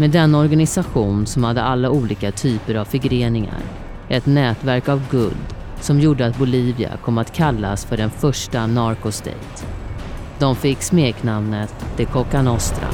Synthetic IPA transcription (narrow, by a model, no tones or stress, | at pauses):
meːd̪ɛnːaɔɾɡanɪsaɧuːnsɔmhad̪ːəalːauːliːkat̪ʰyːpəɾavfɪɡɾeːnɪŋa̰ɾ | ʔɛt̪nɛːt̪væɾkavɡɵ̰ld̪ | sɔmjuːɖəat̪̚bʊliːvɪa̰kʰɔmːat̪kʰalːa̰sfœɖɛnfœʂʈanaɾkʊst̪ɛ̰jt̪ | d̪ɔmfɪkːsmeːknamnət̪d̪ɪkʰɔkanɔst̪ɾa̰